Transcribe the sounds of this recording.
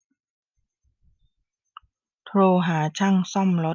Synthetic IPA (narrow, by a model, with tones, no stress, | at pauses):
t̪ʰɾoː˧ɦaː˩˦t͡ɕʰa˥˩ŋsɔ˥˩˨mlo˦˥